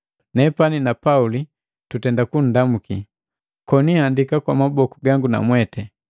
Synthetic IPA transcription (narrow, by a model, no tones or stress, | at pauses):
nɛpaninapauli | tutɛndakun̩damuki | kɔnihandikakwamabɔkuɡaŋɡuna̰mwɛtɛ